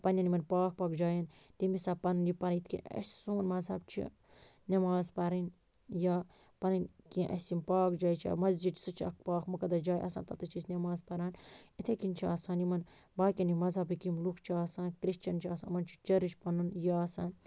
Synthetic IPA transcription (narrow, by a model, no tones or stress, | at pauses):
pɐnʲɐnimɐnpaːk̚paːkd͡ʒaːjɐnt̪imisaːpɐnunjipɐɾɐit̪ʰʲkḭɐ̰sʲsoːnmɐzɐb̚t͡ʃʰḭ | nʲɐmaːzpɐɾɐn | jaː | pɐnɐnkiʔɐ̰simpaːkd͡ʒaːjt͡ʃʰa̰mɐzd͡ʒid̪sɨt͡ʃʰiɐ̰k̚paːkʰmɐkɐd̪ɐd͡ʒaːjʔɐ̰sa̰nt̪ɐt̪ɨt͡ʃʰisnʲɐmaːzpɐɾaːnit̪ʰekint͡ʃʰiaːsaːnimɐn | baːkʲɐnimɐzɐbikimlukʰt͡ʃʰiaːsaːnkɾiʃt͡ʃɐnt͡ʃʰiaːsa̰ːnmɐnt͡ʃʰi̥t͡ʃɐɾit͡ʃʰʲpɐnunjaːsaːn